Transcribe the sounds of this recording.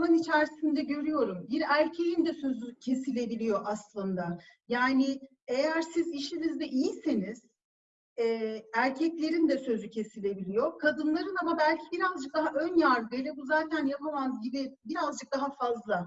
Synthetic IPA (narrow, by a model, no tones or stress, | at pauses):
nɯnit͡ʃʰæɾsind̪ɛɟø̞ɾyjo̞ɾumbiɾæɾcʰe̞jind̪ɛsø̞zycʰe̞silʲe̞bilʲijo̞ʔaslˠɯnd̪ajaːni | e̞jæɾsiziʃinizd̪ɛʔijise̞niz̥ | ɛːæɾcʰɛclʲe̞ɾind̪ɛsø̞zycʰe̞silʲe̞bilʲijo̞kʰad̪ɯnlˠaɾɯnamabælʲcʰibiɾazd͡ʒɯk̚d̪aɦaʔø̞njaɾd̪ɯjlˠabuzaːt̪ʰænjapʰamanzɟibibiɾazd͡ʒɯk̚d̪aɦafazlˠa